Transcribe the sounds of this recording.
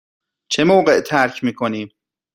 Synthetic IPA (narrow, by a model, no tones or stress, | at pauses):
t͡ʃʰemoːɢeʔt̪ʰæɾcʰmiːkʰoniːm